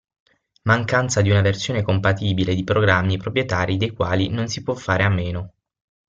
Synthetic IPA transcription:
maŋkant̪sad̪iunaversjoːnekompat̪iːbiled̪ipɾoɡɾamːipɾopɾjet̪aːɾid̪ejkwaːlinonsipwɔfːaːɾeamːeːno

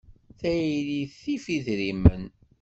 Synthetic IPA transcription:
θæjliθifiðɾimən

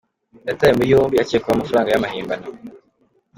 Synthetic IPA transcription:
jatajemujoːmbiaceːkuβamafuɾaːŋɡajamahiːmbano

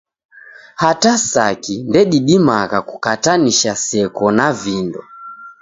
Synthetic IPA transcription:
hatasakindɛɗiɗimakakukataniʃasɛkɔnavindɔ̰

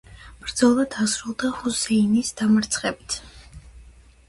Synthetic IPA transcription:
b̥ɾd̪z̥ɔlˠad̪̥asɾulˠd̪ahusɛinisd̪amaɾt̪sʰχɛbit̪ʰ

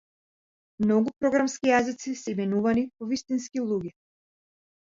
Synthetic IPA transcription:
mnɔɡupɾɔɡɾamskʲijazit̪sisɛminuvanipɔvist̪inskilˠuɡʲɛ

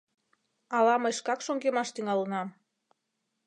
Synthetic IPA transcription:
ɑlɑməjʃkɑkʃoŋɡemɑʃt̪yŋɑlənɑm

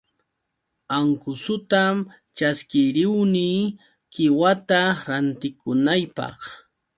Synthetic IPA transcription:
aŋkʊsʊt̪am | t͡ʃaskɪɾɪwniː | kɪwat̪aɾant̪ɪkʊnajpɑ̰χ

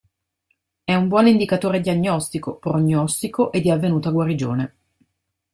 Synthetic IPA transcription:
ɛumbwɔnind̪ikat̪oːɾed̪iaɲːɔst̪ikopɾoɲːɔst̪ikoʔed̪ːiavːenuːt̪aɡwaɾid͡ʒo̰ːne

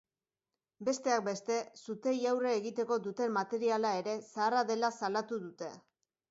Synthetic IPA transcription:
be̞st̪e̞ak̚be̞st̪e̞sut̪e̞jawreːɣit̪e̞ko̞ðut̪e̞mːat̪e̞ɾialae̞ɾe̞saːraðe̞lasalat̪uðut̪e̞

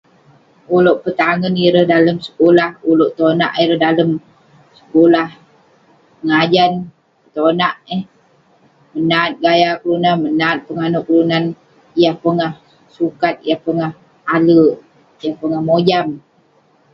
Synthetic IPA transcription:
uloʔpət̪aŋəniɾəhdaləmsə̥kolahuloʔt̪ona̰ʔiɾəhdaləm | sə̥kolah | pəŋad͡ʒan | ət̪onaʔəh | mənat̪̚ɡajakəlunanmənaːt̪̚pəŋanʊʔkəlunan | ijahpəŋah | sukat̪̚ijahpəŋah | alə | ijahpəŋahmod͡ʒam

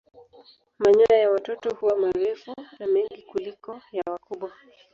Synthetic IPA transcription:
maɲɔɾajawatɔtɔhuwamaɾɛfunamɛŋɡikulikɔjawakuɓwa

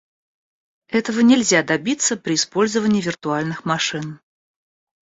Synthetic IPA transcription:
ɛt̪əvənʲɪlʲzʲad̪ɐbʲit̪səpɾʲɪːspo̞lʲzəvənʲɪːvʲɪrt̪ʊalʲnɨxmɐʂɨn

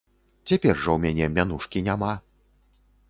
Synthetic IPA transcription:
t͡sʲapʲɛrʐɐwmʲanʲɛmʲanuʂkʲinʲama

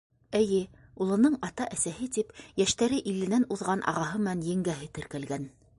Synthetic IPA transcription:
ɘ̆jɘulˠɤ̆nɤɴɑt̪ɑʔæsæhɘt̪ipjæʃt̪æɾɘʔilɘ̆nænuðʁɑnʔɑ̰ʁɑɦɤmɘ̆nænjɘ̆ŋɡæɦɘt̪ɘ̆ɾkælɡæn

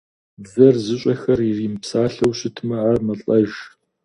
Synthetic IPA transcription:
bzɐrzɨɕʼɐxɐririːmpsaːɬɐwɕɪtʰmɐarmɐɬʼɐʒ

